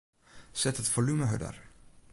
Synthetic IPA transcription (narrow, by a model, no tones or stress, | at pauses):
z̥ɛtɦətfolyməɦœ̰də̰r